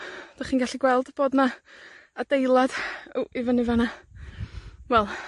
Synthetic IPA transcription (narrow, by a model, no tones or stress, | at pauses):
d̥aχiːnɡaɬiɡwɛlˠdb̥oːdnaad̥ejlˠad̥oʔivənɪvana | wɛlˠ